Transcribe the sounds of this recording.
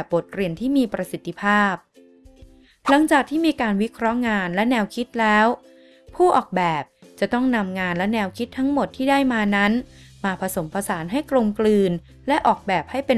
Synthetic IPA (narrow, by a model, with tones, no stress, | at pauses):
bo˨˩t̪̚ɾi˨˩ənt̪ʰiː˥˩miː˧pɾa˧si˨˩t̪ʰːi˧pʰaː˥˩p̚ | la˩˦ŋt͡ɕaː˨˩k̚t̪ʰiː˥˩miː˧kaː˧nwi˦˥kʰɾɔ˦˥ŋaː˧nlɛ˦˥nɛː˧wkʰi˦˥t̪̚lɛː˦˥w | pʰuː˥˩ʔɔː˨˩k̚bɛː˨˩p̚t͡ɕa˨˩t̪ɔ˥˩ŋna˧mŋaː˧nlɛ˦˥nɛː˧wkʰi˦˥t̪ʰːa˦˥ŋmo˨˩t̪ʰːiː˥˩daː˥˩jmaː˧na˦˥nmaː˧pʰa˧so˩˦mpʰa˧saː˩˦nɦa˥˩jklo˧mklɯː˧n | lɛ˦˥ʔɔː˨˩k̚bɛː˨˩p̚ha˥˩jpe˧